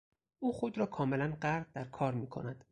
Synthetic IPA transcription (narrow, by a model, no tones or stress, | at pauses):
ʔuːxod̪ɾɒːkʰɒːme̞lænɢæɾd̚d̪æɾkʰɒːɾmiːkʰo̞̰næd̪̥